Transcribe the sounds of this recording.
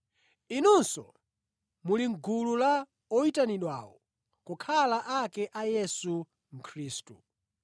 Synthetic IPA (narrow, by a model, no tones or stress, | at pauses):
inunsɔ̰ | muliŋɡulula | ɔitaniɗwa̰ːwɔ | kɔkʰalaʔakɛʔajɛsu | m̩kʰɾiːstu